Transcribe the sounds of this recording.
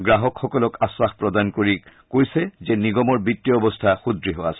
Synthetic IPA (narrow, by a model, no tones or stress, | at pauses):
ɡɹaɦɔkxɔkɔlɔkasːaxpɹɔdankoɹikojsɛzɛniɡɔmɔɹbitːiɔɔbɔstʰaxudɹiɦɔwasɛ